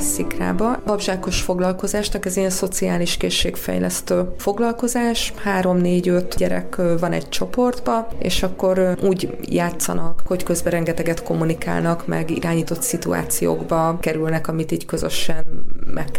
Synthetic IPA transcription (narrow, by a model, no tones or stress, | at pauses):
sikra̰ːbɒbɒbʒaːko̞ʃfo̞ɡlɒlko̞zaːʃnɒkɛzenso̞t̪siaːliʃkeːʃːḛːkfɛ̰jlɛst̪øːfo̞ɡlɒlko̞zaːʃhaːɾo̞mneːɟø̞t̪ɟɛɾɛ̰kvɒnɛ̰ɟ̚t͡ʃo̞po̞rd̪bɒḛːʃɒkːo̞ɾuːɟ | jaːt̪sɒ̰nɒkho̞ckø̞zbɛɾɛŋɡɛt̪ɛɡɛt̪ko̞mːunika̰ːlnɒkmɛ̰ɡḭɾaːɲiːt̪o̞t̪sit̪ua̰ːt̪sijo̰ːɡbɒkɛɾylnɛkɒmit̪iːɟkøzø̞̰ʃɛnmʔɛkː